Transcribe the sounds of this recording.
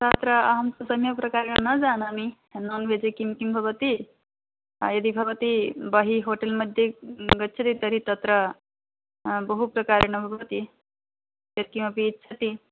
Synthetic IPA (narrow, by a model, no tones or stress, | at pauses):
t̪ət̪ɾəaɦəmt̪usɐmjɐpɾɐkaɾɳənəd͡zanami | nonʋed͡zekimkimbʱɐbət̪i | jɐd̪ibʱɐbət̪ibəɦiɦoʈelməd̪ʱjeɡətːt͡ʃʰɐt̪it̪əɾit̪ɐt̪ɾə | bəɦupɾɐkaɾeɳɐbʱɐbət̪i | jɐd̪̚kiməpitsʰɐt̪i